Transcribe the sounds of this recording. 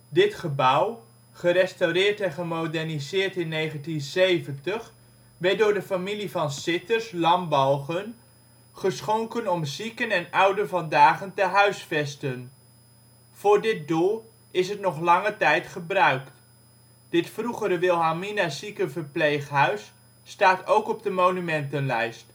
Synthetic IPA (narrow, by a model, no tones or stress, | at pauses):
dɪtχəbʌw | χərɛstawrɪːɹtɛnχəmodɛɹnizɪːɹtɪnːejχəntinsejvəntəχ | ʋɛt̚dʊːɹdəfamilivɑnsɪtəɹslɑmbɑlˠχən | χəsχoŋkənɔmzikənɛnʌwdənvɑndaːχəntəɦœɥsfɛstən | v̥ʊːɹdɪt̚dulˠ | ɪs̬ɦət̚nɔχlɑŋətɛjtχəbrœɥkt | d̥ɪtfruχəɾəʋɪlˠɦaminasikəvəɹplejχɦœɥsː | taːtowkɔbdəmownymɛntənlɛjst